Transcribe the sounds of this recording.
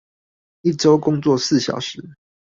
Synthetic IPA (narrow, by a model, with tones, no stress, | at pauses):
i˥˨ʈ͡ʂo˦ʊkʊ˦ŋt͡swɔ˥˨s̩˥˨ɕjɑ̰˨˩ʊʂɻ̩˨˦